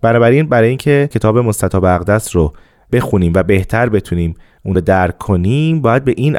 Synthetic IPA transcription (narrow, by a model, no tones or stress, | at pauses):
b̥ænɒːbæɾinbæɾɒːjiːncʰecʰe̞t̪ʰɒːbe̞mo̞st̪æt̪ʰɒːbeæɣd̪æsɾo | b̥e̞xuniːmvæbe̞ht̪ʰæɾbe̞t̪ʰuniːm | unɾod̪æɾkʰːonimbɒːjæd̪̚be̞ʔiːn